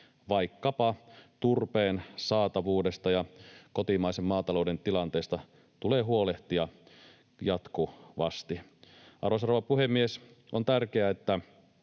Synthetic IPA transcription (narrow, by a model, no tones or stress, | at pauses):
ʋɑikːɑpɑt̪urpeːnsɑːt̪ɑʋuːdest̪ɑjɑkot̪imɑisemːɑːt̪ɑloˑudent̪ilɑnt̪eːst̪ɑ | t̪uleːɦuoleht̪iɑ | jɑt̪kuʋɑ̰st̪i | ʔɑ̰rosɑroʋɑpuhemːies | ʔont̪ærkeæet̪ːæ